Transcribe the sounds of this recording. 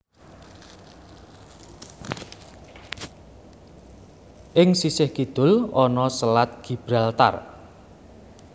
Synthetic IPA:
ʔɪŋsisɪhkid̪̥ʊ̤lɔnɔsəlat̪̚ɡ̥ib̥ɾalt̪a̰r

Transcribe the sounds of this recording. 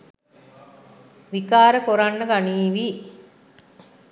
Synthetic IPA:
ʋikaːɾəkoɾanːəɡaniːʋi

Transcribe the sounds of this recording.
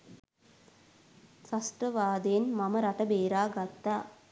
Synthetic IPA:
sasʈrəʋaːd̪ejnmaməɾaʈəbeːɾaːɡat̪ːaː

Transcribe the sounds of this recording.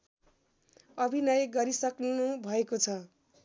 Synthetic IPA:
ʌbʱinʌjɡʌɾisʌknunubʱʌekot͡sʰʌ

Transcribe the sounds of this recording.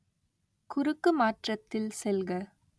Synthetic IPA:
kʊɾɯkːɯmaːʈrɐt̪ːɪlsɛlɣɐ

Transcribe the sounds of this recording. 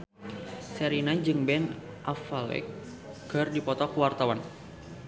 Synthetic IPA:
sɛɾinad͡ʒɨŋbɛn | ʔafalɛ̰k | ɡərdipɔt̪ɔkuwart̪awan

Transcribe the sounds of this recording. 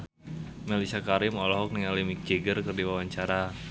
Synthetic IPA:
melisakaɾɪmɔlɔɦɔk̚niŋalimik̚d͡ʒeɡərkərdiwawaɲt͡ʃaɾa

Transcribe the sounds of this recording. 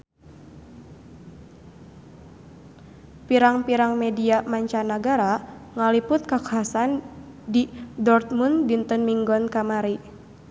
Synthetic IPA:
piɾaŋpiɾaŋmɛdiamaɲt͡ʃanaɡaɾaŋalipʊt̪̚kakaɦasandidɔrt̪̚mundint̪ɔnmiŋɡɔnkamaɾi

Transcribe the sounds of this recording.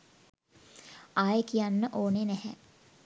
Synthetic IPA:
aːjəkijanːəʔoːnenɛhɛ

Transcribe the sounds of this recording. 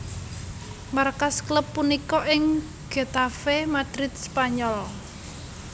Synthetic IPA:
markaskləpːunikɔʔɪŋ | ɡ̥e̤t̪afemad̪̥ɾɪt̪̚spaɲɔl

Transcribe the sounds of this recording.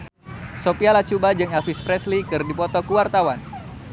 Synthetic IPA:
sopialat͡ʃubad͡ʒɨŋafispɾɛslikɨrdipɔt̪ɔkuwart̪awan

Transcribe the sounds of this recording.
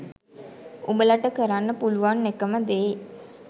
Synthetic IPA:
umbəlaʈəkəɾanːəpuluʋanːekəməd̪eː

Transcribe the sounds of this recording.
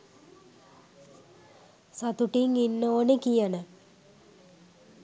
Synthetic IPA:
sat̪uʈiŋinːəoːnikijənə

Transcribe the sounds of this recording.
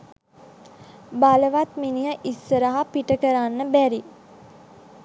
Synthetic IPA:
baləʋat̪minijəʔisːəɾəɦapiʈəkəɾanːəbæɾi

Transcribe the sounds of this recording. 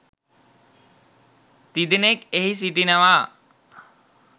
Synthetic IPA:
t̪id̪inekeɦis̬iʈinaʋaː

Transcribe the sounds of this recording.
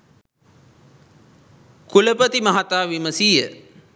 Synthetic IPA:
kuləpət̪imɐɦat̪aːʋiməsiːjə

